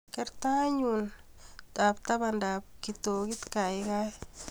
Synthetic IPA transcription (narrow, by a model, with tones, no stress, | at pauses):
kɛ˦ɾt̪a˦ɲunta˨p̚t̪a˦bandap̚kit̪o˨kɪ˦t̪ka˨ɪka˦j